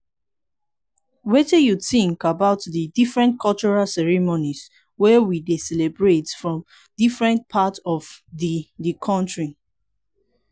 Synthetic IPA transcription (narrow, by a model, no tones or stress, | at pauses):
wɛtɛjuθĩŋkabaʊtdidifɹɛ̃ntkʰɔlt͡ʃuɹalsɛɹimonis | wɛwidesɛlebɹetfɹɔ̃m | difɹɛ̃nt̚pʰatɔvðidikʰɔ̃ntɹi